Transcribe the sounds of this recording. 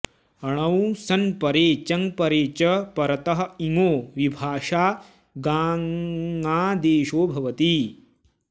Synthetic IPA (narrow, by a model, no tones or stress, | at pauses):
ɐɳ̃ɐwsɐnpɐɾeːt͡ʃɐŋpɐɾeːt͡ʃɐpɐɾɐt̪ɐɦɐ̆iŋoːʋibʱaːʃaː | ɡaː | aːd̪eːʃoːbʱɐʋɐt̪i